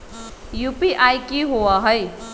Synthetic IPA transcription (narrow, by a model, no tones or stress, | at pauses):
jupiʔajkiɦowaɦʌj